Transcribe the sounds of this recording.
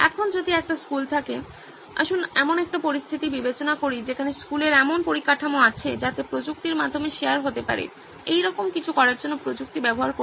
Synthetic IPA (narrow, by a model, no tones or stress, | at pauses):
ɛ̰kʰond͡ʑod̪ʱiɛk̚ʈaskult̪ʰake | a̰ʃunɛmonɛk̚ʈapoɾist̪ʰit̪ibibet͡ɕonakoɾid͡ʑekʰaneskuleɾɛmonpoɾikaʈʰamoat͡ɕʰed͡ʑat̪epɾod͡ʑuk̚t̪iɾmad̪ʱːomeʃeaɾɦot̪epa̰ɾḛ | ejɾɔkomkit͡ɕʰukɔɾaɾd͡ʑonːopɾod͡ʑuk̚t̪ibɛboɦaɾko